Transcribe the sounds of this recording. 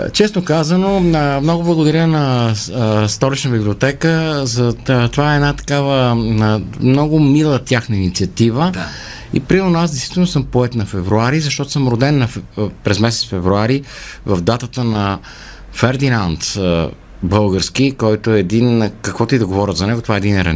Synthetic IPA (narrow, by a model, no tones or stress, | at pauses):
t͡ʃɛsnokazənomnɔɡʊblˠəɡʊd̪ɐɾʲənɐ | st̪ɔlit͡ʃnəbiblʲiot̪ɛkəzɐt̪ovaɛɛnat̪ɐ̥kavə | mnɔɡʊmilˠət̪ʲjaxnəinit̪siɐt̪ivə | ḭpɾimɛnoasd̪ɛst̪vit̪ɛlˠnosɤmpoɛt̪nɐfɛvɾuaɾizɐʃt̪ɔt̪o̥səmɾod̪ɛnːɐfpɾɛzmɛs̬ɛt̪sfɛvɾuaɾivɐvd̪at̪ət̪ənɐ | fɛɾd̪inant̪ | bɤlˠɡəɾsk̟ikɔjt̪oɛɛd̪inkəkvɔt̪oid̪ɐɡovɔɾʲət̪zɐnɛɡot̪ovaɛd̪inɛɾɐ̰n